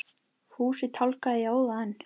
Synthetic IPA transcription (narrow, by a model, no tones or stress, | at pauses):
fuːsɪt̪ʰalkaiaːwðaanː